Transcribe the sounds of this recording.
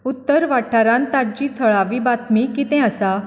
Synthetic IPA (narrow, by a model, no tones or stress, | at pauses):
ut̪ːəɾʋaʈʰːaɾãnt̪aɾd͡ʑiːt̪ʰəɭaʋiːbat̪mikit̪ɛ̃asa